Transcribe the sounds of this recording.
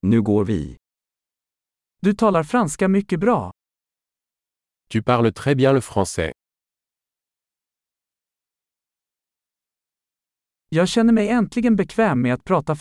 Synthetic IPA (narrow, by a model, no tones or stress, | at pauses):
nʉ̟ːɡoːɾvɪ̰ | d̪̥ɵt̪ʰɑːlaɾfɾanskamʏkːəbɾɑ̰ː | t̪ypaʁlət̪χɛbjɛ̃ləfχɑ̃sɛ̰ | jɑːɡɕɛnːəɾmɛjɛnt̪ʰlɪɡənbɛkʰvɛːmːɛat̪̚pʰɾɑːt̪a